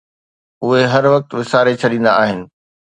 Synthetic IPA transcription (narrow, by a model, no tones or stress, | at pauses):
ʊɦeɦɐɾʋɐk̚t̪ʋɪsaːɾet͡ɕʰɐɗĩːn̆d̪a̰aːɦɪnɪ̆